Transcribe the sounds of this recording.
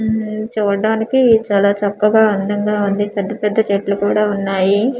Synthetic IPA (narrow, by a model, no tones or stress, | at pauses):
t͡ʃuːɽaːnikit͡ʃaːlaːt͡ʃɐkːɐɡaːɐnd̪ɐŋɡaːund̪ipɛd̪ːɐpɛd̪ːɐt͡ʃeʈlukuːɽaːunːaːji